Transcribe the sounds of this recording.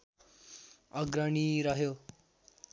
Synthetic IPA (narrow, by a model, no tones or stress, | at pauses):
ʌɡɾʌɳiɾʌɦjo